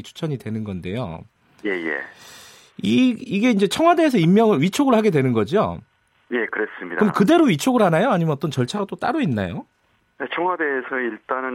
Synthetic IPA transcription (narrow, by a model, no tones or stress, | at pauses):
t͡ɕʰu̥t͡ɕʰʌɲidwe̞nɯnɡʌnde̞̰jo̰ | je̞je̞̰ | iiɡe̞ind͡ʑe̞t͡ɕʰʌŋɦwade̞ːs̬ʰʌimːjʌŋɯɭɥit͡ɕʰoɡɯɭhaɡe̞dwe̞nɯnɡʌd͡ʑio̰ | je̞kɯɾe̞s͈ɯmɲidakɯmkɯde̞ɾoɥit͡ɕʰoɡɯɭhanajoaɲimjʌʌt͈ʌnt͡ɕʌɭt͡ɕʰaɡat͈ot͈a̰ɾuinːa̰jo | net͡ɕʰʌŋɦwade̞ːsʰʌiɭt͈anɯ